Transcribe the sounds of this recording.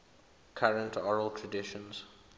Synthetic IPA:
kʰaɹə̃ntʰɔɹəlˠtʰɹədɪʃə̃nz̥

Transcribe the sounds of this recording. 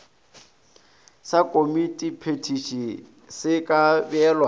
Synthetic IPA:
sakʼomitʼipʰetʰiʃi | sɪkʼabɪɛlwa

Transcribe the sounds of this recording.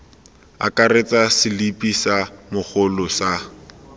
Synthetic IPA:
a̰kʼaret͡sʼasɪlipʼisamʊχʊlʊsa

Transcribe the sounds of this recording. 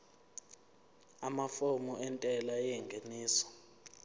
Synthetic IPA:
amafomuʔɛntʼɛlajɛŋɡʱeniːsɔ̥

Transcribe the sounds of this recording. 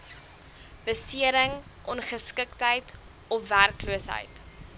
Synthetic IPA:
b̥əsiəɾəŋ | ʔɔnχəskəktɦəjt | ɔfværkluəsɦə̰jt

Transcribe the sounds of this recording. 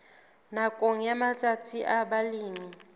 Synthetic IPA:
nakʼoŋ̩jamat͡sʼatʰiʔabaliːmi

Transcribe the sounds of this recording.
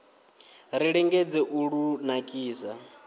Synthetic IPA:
ɾiɺɛŋɡɛd͡zɛʔuɺunakʼiːsa

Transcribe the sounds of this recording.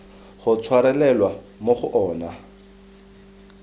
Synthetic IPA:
χʊt͡sʰwaɾɛlɛlwa | moχʊʔɔːna

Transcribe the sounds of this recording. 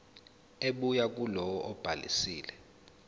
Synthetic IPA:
eɓujak̬ʼulɔwɔʔɔb̥ʱalḭsiːlɛ

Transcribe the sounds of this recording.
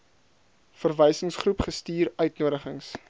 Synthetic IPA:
fərvɛjsəŋsχrupχəstiːɾœɥtnuəɾəχəŋs

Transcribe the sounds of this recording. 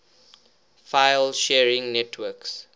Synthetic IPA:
faɪlʃɛɹɪ̃ŋnɛtʰwəks

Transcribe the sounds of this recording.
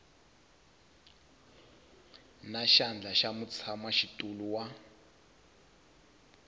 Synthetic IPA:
naʃand͡ɮʱaʃamut͡sʰamaʃitʼuluwa

